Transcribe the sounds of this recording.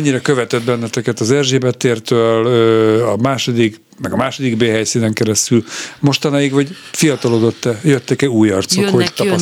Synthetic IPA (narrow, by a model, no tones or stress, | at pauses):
ɲːiɾɛkøvɛt̪ɛd̪̚bɛnːɛt̪ɛkɛt̪ɒzɛrʒeːbɛt̪ːeːrt̪øːløɒmaːʃo̞d̪ik | mɛɡɒmaːʃo̞d̪iɡbeːɦɛjsiːnɛŋkɛɾɛst̪ylmo̞ʃt̪ɒnɒjiɡʋɒɟfijɒt̪ɒlod̪o̞t̪ːɛjøt̪ːɛkɛuːjɒrt̪so̞khoɟt̪pɒs